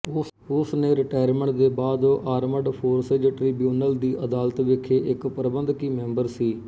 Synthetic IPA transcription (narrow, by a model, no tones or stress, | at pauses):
ʊsneːɾɪʈaːəɾmẽɳʈd̪eːbaːd̪oːʔaːɾməɖpʰoːɾseːd͡ʒʈɾiːbjuːnəld̪iːʔəd̪aːlət̪ʋɪkʰːeːʔɪkpəɾəbənd̪kiːmɛ̃ːmbəɾsiː